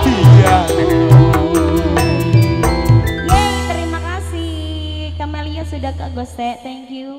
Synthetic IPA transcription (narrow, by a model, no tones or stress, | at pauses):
b̥id͡ʒau | jat̪əɾimakasihkamɛliasudahkaɡɔst̪ɛʔt̪ɛŋkju